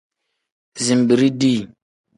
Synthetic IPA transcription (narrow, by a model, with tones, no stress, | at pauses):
zi˨m˨bi˨ɾi˦di˦